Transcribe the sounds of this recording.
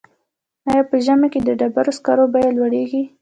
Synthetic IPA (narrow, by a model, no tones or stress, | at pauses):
ɑjɑpəʒamaked̪əɖabaɾoskɑɾobɑjalwaɽeɡi